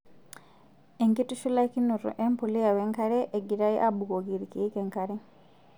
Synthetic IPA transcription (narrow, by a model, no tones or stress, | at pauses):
eŋkituʃulakinuɾṵʔempulijaweːŋkaɾeʔːɡiɾajḭʔabuɡoɡiɾikiikeŋkaɾe